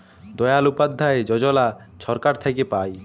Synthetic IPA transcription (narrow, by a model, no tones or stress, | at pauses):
d̪ɔjalupad̪ʱːaed͡ʑɔd͡ʑɔla | ʃʰɔɾkaɾt̪ʰekepaj